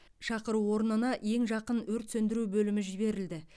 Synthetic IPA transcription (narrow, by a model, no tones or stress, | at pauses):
ʃɑqəɾuwo̞ɾnənɑʔje̞ŋʒɑqənɵɾt̪sɵnd̪ɪɾubɵlɪmɪʒibe̞ɾɪld̪ɪ